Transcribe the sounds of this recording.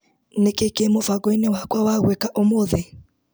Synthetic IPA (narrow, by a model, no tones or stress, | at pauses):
nekekemofaɣɔinewakwawaɣwɛkaʔomoðe